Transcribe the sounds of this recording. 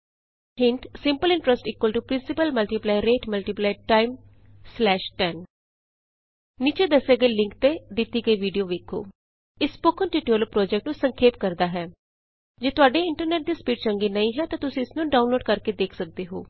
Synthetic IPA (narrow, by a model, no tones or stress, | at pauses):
hɪɳʈsɪ̃mpəlɪ̃ɳʈɾəsʈiːkwəlʈuːpɾɪnsɪpəlməlʈiplaːjɾeːʈməlʈiːplaːɪɖʈaːim | slɛːʃʈɛn | niːt͡ʃeːd̪əseːɡəiːlɪ̃ŋk̚t̪ed̪ɪt̪iːɡəiːʋiːɖijoːʋɪkʰo̰ː | ɪspoːkʰənʈiːʈoːlpɾɔːd͡ʒɛk̚ʈnũːsəŋkʰeːp̚kəɾd̪aːɦɛː | d͡ʒeːt̪ʊaːɖeːɪɳʈəɾneːʈ̚d̪iːspiːʈt͡ʃəŋɡiːnəĩɦɛːt̪ãːt̪ʊsĩːɪsnũːɖaːʊnloːɖkəɾked̪eːkʰsək̚d̪eːɦo̰ː